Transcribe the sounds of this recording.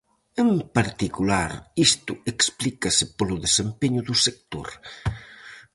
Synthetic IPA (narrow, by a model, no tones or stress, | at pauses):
empaɾt̪ikulaɾist̪ʊeksplikɐsɪpolʊðesempeɲʊðʊsek̚t̪o̰ɾ